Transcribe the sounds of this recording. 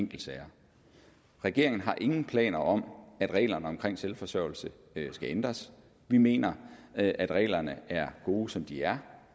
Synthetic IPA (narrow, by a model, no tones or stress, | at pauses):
ŋ̰ɡ̥l̩sɛːɐ | ʁɛɡ̥e̝ɐe̝ŋn̩ɦɑ̈ʔe̝ŋn̩pʰlɛ̰ːnɐʔɒ̽mæd̥ʁɛ̰ːlɐnəɒ̽mkʰʁeŋ̰selfɒ̽sœʊ̰l̩sə | sɡ̥æend̥ʁɐs | ʋime̝̰ːnɐʔæd̥ʁɛ̰ːlɐnəæɐɡ̥o̝ːsɒ̽md̥iæɐ